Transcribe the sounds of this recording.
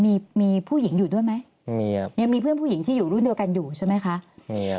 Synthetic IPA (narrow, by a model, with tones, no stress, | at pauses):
miː˧miː˧pʰuː˥˩ji˩˦ŋjuː˨˩du˥˩əjma˦˥j | mi˧ja˧ŋmiː˧pʰɯ˥˩ənpʰuː˥˩ji˩˦ŋt̪ʰiː˥˩juː˨˩ɾu˥˩ndi˧əwka˧njuː˨˩t͡ɕʰa˥˩jma˦˥jkʰa˦˥ʔmi˧